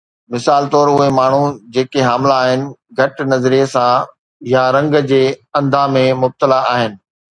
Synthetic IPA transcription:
mɪsaːlt̪ɔːɾʊɦemaːɳ̤ud͡ʑeːkeɦaːmlaːɦɪnɪ̆ɡʱɐʈnɐzɾiesã | jaɾɐ̃ŋɡd͡ʑeːɐ̃nd̪ʱãmẽmʊb̚t̪əlaaːɦɪnɪ̆

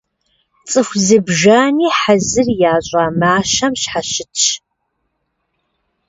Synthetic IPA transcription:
t͡sʼɨxʷzɨbʒaːniːħazɨrjaːɕʼaːmaːʃɐmɕħaɕɪtt͡ʃ

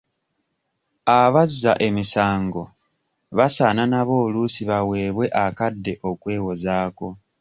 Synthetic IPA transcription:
aβazːaʔe̞misaːŋɡo̞ | βasaːnanaβo̞ːlusiβawe̞ːβwe̞ʔakadːe̞ʔo̞kwe̞ːwo̞zaːko̞

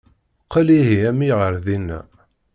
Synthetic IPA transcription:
qəliɦiæmiʁəɾðinːæ̰

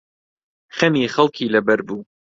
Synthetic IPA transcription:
xɐmiːxɐlˠkʰiːlɐbɐɾbuː

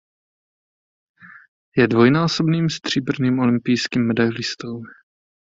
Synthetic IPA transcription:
jɛdvo̞jnaːsobniːmst̪r̝̥iːbr̩niːmolɪmpɪjskiːmːɛdajlɪst̪ow

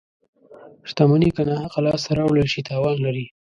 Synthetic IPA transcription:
ʃt̪amanikanahaqalɑstaɾawləlʃit̪ɑwɑnlaɾi

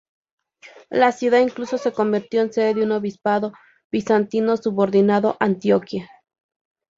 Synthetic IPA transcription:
lasjuðaiŋkluso̞se̞ko̞mbiɾt̪jo̞ense̞ðeðeuno̞βispaðo̞ | β̥isant̪ino̞suβo̞ɾðinaðo̞ʔant̪jokja

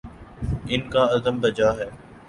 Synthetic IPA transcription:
ɪnkaːəzəmbəd͡ʒaːɦɛː

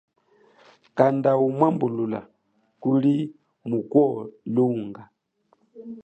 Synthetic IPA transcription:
kandaumwambulula̰ | kuli | mukwɔluŋɡa

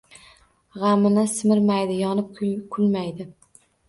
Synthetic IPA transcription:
ʁɑmɪnɪsɪmɪɾmajd̪ɪjɒnɪp̚kʰkʰʊlmajd̪ɪ

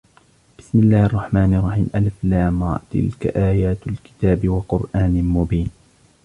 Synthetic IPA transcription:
b̥ɪsmɪlːaːhʔɑrˤːɑħmaːnɪʔɑrˤːɑħiːmʔalflaːmɑ̰t̪ɪ̰lka̰ʔaːjaːt̪alkɪ̥t̪aːbɪwɑqʊɾʔaːnɪmʊbiːn

